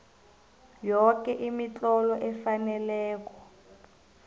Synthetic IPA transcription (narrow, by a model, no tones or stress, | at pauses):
jɔkɛʔimit͡ɬʼɔlɔʔɛfanɛlɛːkɔ̥